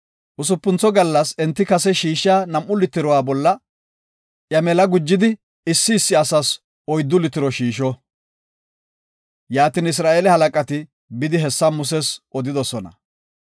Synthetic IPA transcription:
ʔʊs̬ʊpːʊnt͡sɔɡɐlːɐsɛnt̪ːɪkɐsɛʃiːʃaːnɐmʔːʊlɪt̪ːɪɾɔwaːbɔlːɐ | ʔjɐmɛlɐɡʊd͡ʒːɪd̪ɪ | ɪsːɪːsːɪɐsɐs | ɔjd̪ːʊlɪt̪ːɪɾɔʃiːʃɔ | jaːt̪ɪnɪs̬ɾaːʔelɛhɐlɐkʼɐt̪ɪ | bɪd̪ɪɦɛsːɐmʊs̬ɛsɔd̪ɪd̪ɔsɔnɐ̰

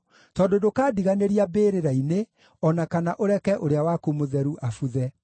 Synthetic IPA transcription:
tɔːdodokaːdiɣaneɾiabeːɾeɾaine | ɔnakanaʔoɾɛkɛʔoɾeawakomoðɛɾuʔafuðɛ

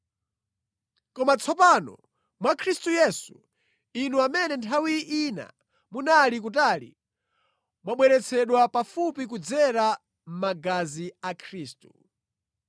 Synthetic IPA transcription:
kɔmat͡sʰɔpanɔ̰ | mwakʰɾistujɛsṵ | inuamɛnɛntʰawiʔina̰ | munalik̬ut̬aːlḭ | mwaɓwɛɾɛt͡sʰɛɗwapafupik̬ud͡zɛɾa | m̩maɡaziakʰɾiːstu

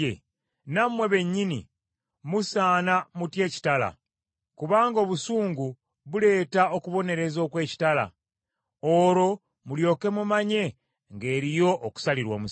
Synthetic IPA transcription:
e | namwe̞βe̞ɲːinḭ | musaːnamutje̞ːci̥tala̰ | kuβaːŋɡo̞ːβusuːŋɡu | βule̞ːtao̞kuβo̞ne̞ɾe̞zo̞ːkwe̞ːci̥tala̰ | oɾo̞ | muljo̞ːke̞mumaɲe̞ | ŋɡe̞ːɾijo̞ʔːku̥saliɾwoːmu

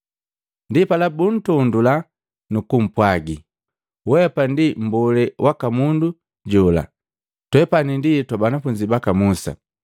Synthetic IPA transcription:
ndipalabun̩tɔndula | nukum̩pwaɡi | wɛpandim̩bɔlɛwʔakamundu | ɟɔla̰ | twɛpaninditwabanafuɲd͡ʒibakamusa̰

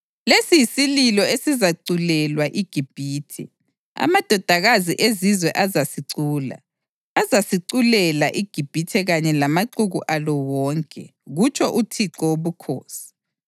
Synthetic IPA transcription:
lesijisililɔesizaǀulɛlwaʔiɡ̥ʱib̥ʱiːtʰɛ̰ | a̰mad̥ʱɔd̥ʱaɣaziʔezizwɛʔazasiǀuːla̰ː | zasiǀulɛlaʔiɡ̥ʱib̥ʱitʰɛɣaɲɛlamaǀuɣuʔalɔwɔːŋkʼɛ̰ɣut͡ʃʰʼɔʔutʰiǀɔwoβukʰoːsi̥

